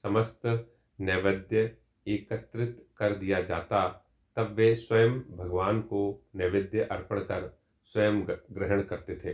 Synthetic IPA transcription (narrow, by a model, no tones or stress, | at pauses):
sɐməst̪ | nɛːʋəd̪jə | eːkət̪ɾɪt̪kɐɾd̪ijad͡ʒaːt̪a | t̪ɐbʋeswɐjəmbʱɐɡʋaːnkonɛʋɪd̪jəʔɐɾpəɽ̃kɐɾ | swɐjəmɡɾɪɦəɽ̃kɐɾt̪et̪ʰeː